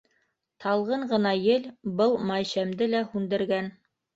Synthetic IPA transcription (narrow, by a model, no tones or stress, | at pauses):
t̪ʰɑlˠʁɤɴɢɤ̆nɑjɘlbɤlˠmɑjɕæmd̪ɘlæhʉnd̪ɘ̆ɾɡæn